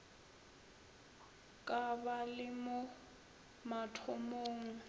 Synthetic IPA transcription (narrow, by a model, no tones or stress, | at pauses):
kʼabalɪmʊ | matʰʊmoːŋ̩